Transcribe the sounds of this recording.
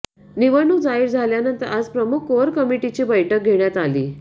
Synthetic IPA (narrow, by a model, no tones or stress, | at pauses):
niʋəɾɳud͡zaiɾd͡zʱaljanənt̪əɾʔad͡zpɾəmukʰoəɾkəmiʈit͡ɕiːbəjʈʰək̚ɡʱeɳjat̪aliː